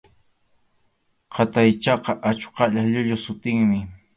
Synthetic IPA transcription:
qʰɑt̪ajt͡ʃɑqɑʔat͡ʃqɑʎaʎʊʎʊsʊt̪ɪŋmɪ

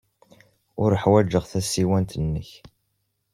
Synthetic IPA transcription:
ʊɾəħwæd͡ʒːəʁθæsːiwænt̪ənːəç

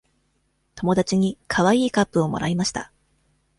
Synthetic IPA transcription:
t̪o̞mo̞d̪at͡ɕiɲ̟ikʰaβaiːkapːɯ̟o̞mo̞̰ɾaimaɕi̥t̪a

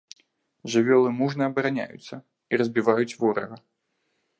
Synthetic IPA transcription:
ʐɨvʲɔlˠɨmuʐnɐɐbɐɾanʲa̰jṵt̪sːɐ | iɾɐzʲbʲivajut͡sʲvɔɾɐ̰ɣɐ

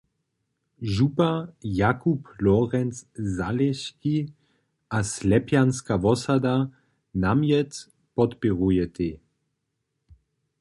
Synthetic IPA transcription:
ʒupajakuplɔʁɛnszalɛʃki | ʔaslɛpjanskaʋɔsad̪a | namjɛt̪ | pɔt̪piʁujɛt̪e

